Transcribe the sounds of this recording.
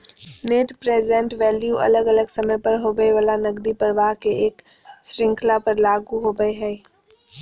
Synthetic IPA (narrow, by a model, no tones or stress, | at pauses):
neːʈpɾeːzɛ̃ɳʈʋɛːljuʔɐ̰ləɡələɡsəmə̃pəɾɦoːɡəeʋəlanəɡd̪ipəɾʋaːɦkeʔeːk | sɾɪ̃ŋkʰlapəɾlaːɡuɦoːɡəeɦɛ